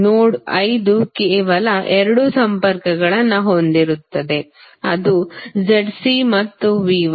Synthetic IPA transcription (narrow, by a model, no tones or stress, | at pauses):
nuːɽɐjd̪ukeːʋɐlɐʔɛɾɐɽusɐmpɐɾkɐɡɐɭɐnːɐɦo̞nd̪iɾut̪ːɐd̪e̞ | ɐd̪ud͡ʒɐɖsimɐt̪ːuʋiːʋ